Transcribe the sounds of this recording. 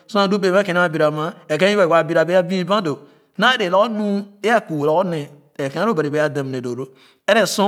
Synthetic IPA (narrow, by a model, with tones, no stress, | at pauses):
sõ˦a˨du˦be˨a˦kẽ˨ne˦a˦˨bi˨ɾa˨ma˦e˨kẽ˦i˦ba˦˨wa˨bi˦ɾa˨be˦a˦bĩ˦i˦ba˦do˨ | na˦de˨lo˦o˦nũ˦e˦ja˦ku˨wlo˨˦o˦ne˨ | e˨ke˦a˦ɾo˦ba˨i˨be˨˦a˦da˨m˨ne˨do˨ɾo˦ | e˦ɾe˦sõ˦